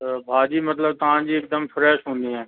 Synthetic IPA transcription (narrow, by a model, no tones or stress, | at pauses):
bʱaːd͡ʒiːmɐt̪ləb̚t̪ɐɦãːd͡ʒiːk̚d̪əmfʰɾɛːʃɦõːnd̪iɦɛː